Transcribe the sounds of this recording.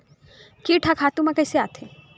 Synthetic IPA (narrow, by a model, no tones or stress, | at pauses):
kiʈʰakʰat̪umakajseat̪ʰe